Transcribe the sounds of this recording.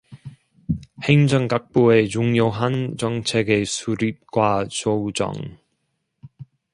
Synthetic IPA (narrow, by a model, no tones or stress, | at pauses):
heŋt͡ɕœŋkak̚poet͡ɕuŋjowɦant͡sɔŋt͡ɕʰɛɡesʰuɾip̚kwaːsowt͡ɕɔ̰ŋ